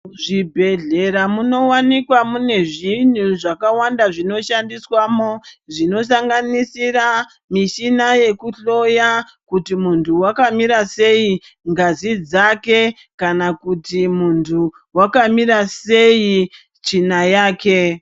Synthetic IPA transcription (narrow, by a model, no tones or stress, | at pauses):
ʐibʱe̞ɮe̞ɾamuno̞wanikwamune̞ʐin̤uʐakawandaʐino̞ʃandiswamoʐino̞s̬aŋɡanisira | miʃinaje̞kuɬo̞ja | kutimuntʰuwakamiɾase̞i | ŋɡazid͡zake̞ | kanakutimuntʰu | wakamiɾase̞ji | t͡ʃinajaːke̞